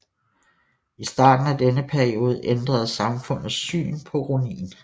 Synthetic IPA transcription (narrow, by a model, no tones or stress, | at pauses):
isd̥ɑ̰̈ːd̥n̩æd̥enəpʰæɐio̝ːð̞ˠʔend̥ʁɐð̞̩ˠsɑ̈mfɔ̽n̰ð̩ˠsy̰ːnpʰɒ̽ʁonḭːn